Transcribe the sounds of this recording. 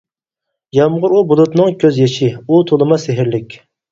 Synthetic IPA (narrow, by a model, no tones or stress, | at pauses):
jɑmʁʊɾubulˠut̪nɨŋkʲʰøzjɛʃiut̪ʰolˠɨmɑseɦɪɾlɪkʲ